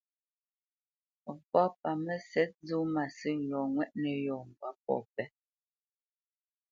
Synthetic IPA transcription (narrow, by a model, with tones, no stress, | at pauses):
fɔ˦pa˨mɛ˦sɛ˦t̚zu˦ma˨si˦˨lɔː˨ŋwɛ˦ʔnɛ˨jɔː˨m̩˨ba˨p̚ɔ̰˦˨pɛ˦